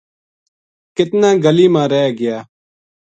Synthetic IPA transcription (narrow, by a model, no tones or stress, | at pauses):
kɪt̪nãːɡəliːmãːɾɛːɡɪjaː